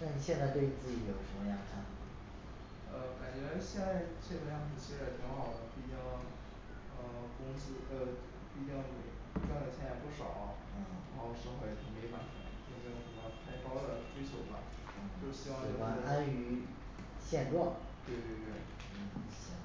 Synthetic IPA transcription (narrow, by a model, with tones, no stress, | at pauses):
na˥˩ni˨˩ɕjɛ˥˧nt͡sa˥˧ɪt̪we˥˩ɪ˩i˨˩t͡sɹ̩˥˩t͡ɕi˧˥jo˨˩ʊʂə˧˥mə˧jɑ˥˩ŋʈ͡ʂʰa˥˩n˨˩˧ | ə˧ka˨˩nt͡ɕɥɛ˧˥ɕjɛ˥˧nt͡sa˥˧ɪt͡ɕʰɛ˥˧tə˥˧jɑ˥˧ŋt͡s̩˥˩t͡ɕʰi˧˥ʂɻ̩˥˩˥t̪ʰi˧˥ŋxɑ˨˩ʊd̪ə˦pu˥˩˧t͡ɕɑ˥ | ə˧˩kʊ˥ŋsɹ̩˥ə˧ | pʰu˥˩˧t͡ɕɑ˥˩ŋme˨˩˥ | ʈ͡ʂwa˥˩nd̪ə˨˩t͡ɕʰjɛ˥njɛ˥˩pu˥˩ʂɑ̰˨˩ʊ˥˩ | ɻxo˥˧ʊʂə˥xwa˥˩˧t̪ʰi˧˥ŋme˧˥ɪfa̰˨˩nd̪ə̰˧˥t͡ɕo˥˧˩ɕɑ˥˩ʈ͡ʂə˨˩mə˧˥t̪ʰa˥˩ɪkɑ˥ʊd̪ə˨˩ʈ͡ʂwe˥ɪt͡ɕʰjo˧˥ʊba̰˧˥˩ | t͡ɕjo˥˩ʊɕi˥wɑ˥˧ŋe˥˩a˥˩˥a˥ny˧˥ | ɕjɛ˥˧nʈ͡ʂwɑ˥˩ŋ | t̪we˥˧ɪt̪we˥˧ɪt̪we˥˩ɪ˥˩˧